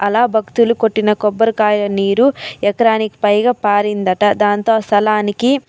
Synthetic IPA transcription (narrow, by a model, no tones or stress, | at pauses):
ɐlaːbʱɐkt̪ulukoʈːinɐkɔbːɐɾukaːjlɐniːɾuɛkɐɾaːnikpɐjɡapaːɾind̪ɐʈɐd̪aːnt̪o̞ːst̪ʰɐlaːniki